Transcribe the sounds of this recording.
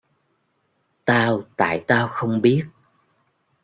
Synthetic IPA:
t̪aː˧wt̪a̰ː˧˨jt̪aː˧wxə˧wŋ͡mɓi˦˥ət̚

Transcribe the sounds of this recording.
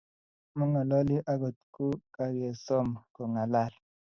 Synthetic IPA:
mɔ˦ŋa˨lɔ˦li˦ʔa˦ɡo˨t̪ku˦ka˨ɾɛ˨sɔ˦m˨kɔ˨ŋa˨la˦˨l

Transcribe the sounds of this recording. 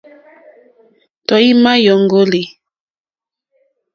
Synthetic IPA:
tɔ˨i˦ma˦jɔ˨ŋɡo˦li˨

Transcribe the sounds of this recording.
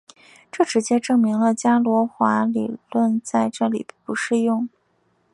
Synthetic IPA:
ʈ͡ʂɤ˥˩ʈ͡ʂɻ̩˧˥t͡ɕjɛ˥ʈ͡ʂɤ˥˩ŋmi˧˥ŋlə˧t͡ɕja˥lwɔ˧˥xwa˧˥li˨˩lwə˥˧nt͡sa˥˧ɪʈ͡ʂɤ˥˩lḭ˨˩pu˧˥ʂɻ̩˥˧jʊ˥˩ŋ

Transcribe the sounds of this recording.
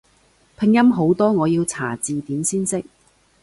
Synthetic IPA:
pʰɪ˧ŋjɐ˥mɦo˨˥wt̪ɔː˥ŋɔː˨˧jiː˧wt͡sʰaː˨˩t͡siː˨t̪iː˨˥msiː˥nsɪ˥k̚

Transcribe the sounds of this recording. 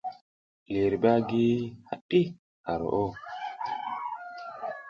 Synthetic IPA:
le˨ɾi˨ba˦ɡi˦ha̰˨ɗːi˦ | ha˨ɾo̰˨ʔo˦

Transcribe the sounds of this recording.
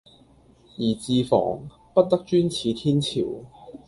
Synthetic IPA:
jiː˨˩t͡siː˧fɔ̰ː˨˩ŋ | pɐ˥t̚t̪ɐ˥k̚t͡ʃyː˥nt͡sʰiː˨˧t̪ʰiː˥nt͡sʰiː˨˩w

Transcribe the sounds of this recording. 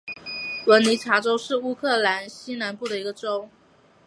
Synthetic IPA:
wə˧˥nli˧˥t͡ɕʰja˧˥ʈ͡ʂo˥ʊʂɻ̩˥˩u˥kʰɤ˥˩la˧˥nɕi˥na˧˥npu˥˩d̪ə˩i˧˥ɡə˧ʈ͡ʂo˥ʊ

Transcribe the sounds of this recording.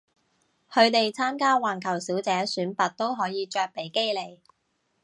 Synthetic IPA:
hʰɵ˨˧ɥt̪e˨jt͡sʰaː˥mkaː˥waː˨nkʰɐ˨˩wsiː˨˥wt͡sɛː˨˥syː˨˥npɐ˨t̚t̪o˥wɦɔː˨˥jiː˨˧t͡ʃœː˧k̚pe˨˥jke˥jle˨˩j

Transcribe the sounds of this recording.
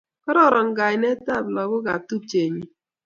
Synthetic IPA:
kɔ˦ɾɔ˦˨ɾɔ˨ŋ̩˨ɡa˨ɪ˨ne˦ta˦˨blɔ˨ɡʊ˦ɡa˨tu˦t͡ʃe˨ɲi˨

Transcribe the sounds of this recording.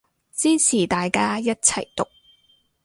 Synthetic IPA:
t͡siː˥t͡sʰiː˨˩t̪aː˨jkaː˥jɐ˥t̚t͡sʰɐ˨˩jt̪ʊ˨k̚

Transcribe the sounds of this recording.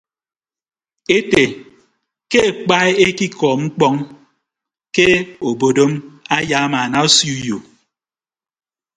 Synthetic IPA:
e˦te˨ | ke˦e˨k͡pa˦e˦e˦ki˦kɔ˨ŋ͡m̩˦k͡pɔ˦ŋ | ke˦o˨bo˨do˦ma˦ja˨˦ma˨na˨o˦sju˦jo˨

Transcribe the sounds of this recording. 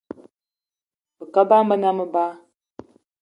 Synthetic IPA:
bə˨ka˦ba˦mə˦na˦mə˦ba˦

